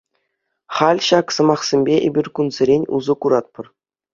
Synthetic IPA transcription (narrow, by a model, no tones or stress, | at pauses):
χɑlʲɕɑksɤ̆mɑχsʲemʲbʲeʔebʲirʲkunzʲɘ̆ɾʲenʲṵzɤ̆kuɾɑt̪̚pɤ̆r